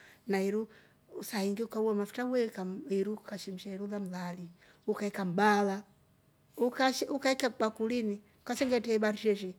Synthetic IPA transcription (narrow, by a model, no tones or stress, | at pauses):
naiɾu | usaiŋɡiukauɔmafu̥tawwɛkaiɾukaʃim̩ʃaiɾuðam̩ðali | ukaikam̩bala | ukaʃukaikak͡pakulini | ukasɛŋɡɛtɛɓaɾiʃɛʃɛ